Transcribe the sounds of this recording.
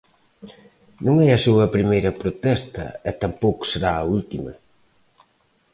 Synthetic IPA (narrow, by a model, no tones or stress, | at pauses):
nũŋɛɐsuɐpɾimejɾɐpɾot̪ɛst̪ɐ̰ɛt̪ampowkʊ̥seɾaɐult̪imɐ̰